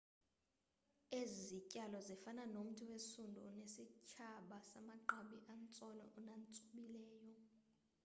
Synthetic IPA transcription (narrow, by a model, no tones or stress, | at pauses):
ezicʼalɔzifananom̩tʰuwesundʱunesit͡ʃʰaɓasamaǃaɓiʔant͡sʼɔlɛ̰ʔɔnant͡sʼuɓilɛːjɔ